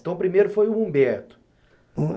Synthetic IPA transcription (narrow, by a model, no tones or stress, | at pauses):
t̪ɐ̃w̃pɾimejɾʊfojʊũbɛɾt̪ʊ̥̃